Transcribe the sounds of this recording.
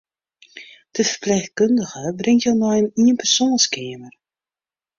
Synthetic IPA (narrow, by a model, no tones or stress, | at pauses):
d̥əvərplɛjχ̚kɵndəɣəbrɪŋtjənɔjəniənpɛrsoːnskeːmər